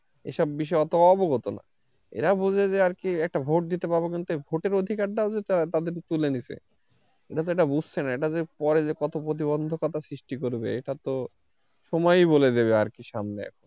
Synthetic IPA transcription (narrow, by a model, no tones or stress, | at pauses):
ḛʃɔbːiʃ̬ɔeɔt̪oɔboɡot̪ona̰ | ḛɾabud͡ʑʱed͡ʑeaɾkiɛk̚ʈabʱoʈ̚d̪it̪epabokint̪uebʱoʈeɾod̪ʱikaɾɖaod͡ʑet̪at̪ad̪eɾt̪ulenisḛ | eʈat̪̬oeʈabud͡ʑʱt͡ɕʰenaeʈad͡ʑeɾpɔɾed͡ʑekɔt̪opɾot̪̬iβond̪ʱokat̪asɾiʃʈikoɾbḛeʈat̪o | ʃɔmɔjboled̪eβeaɾkiʃamneɛ̰kʰon